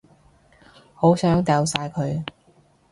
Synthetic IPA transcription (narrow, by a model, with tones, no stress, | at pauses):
ho˨˥wsœː˨˥ŋt̪ɛː˨˧wsaː˧jkʰɵ˨˧ɥ